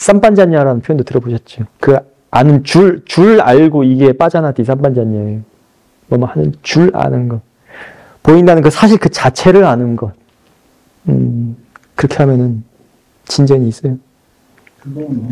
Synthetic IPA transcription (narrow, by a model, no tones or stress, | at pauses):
s͈amp͈and͡ʑaɲaɾanɯnpʰojondotɯɾʌboɕʰʌt̚t͡ɕ͈okɯ | anɯnt͡ɕuɭt͡ɕuɭaɭɡoiɡe̞p͈ad͡ʑanatis̬͈ampand͡ʑaɲaejo | mʌmʌhanɯnt͡ɕuɭa̰nɯnɡʌ | poindanɯnkɯsʰaɕʰiɭkɯt͡ɕat͡ɕʰe̞ɾɯɭanɯnɡʌ | ɯ | kɯɾʌkʰe̞hamjʌnɯn | t͡ɕind͡ʑeɲiːs͈ʌjo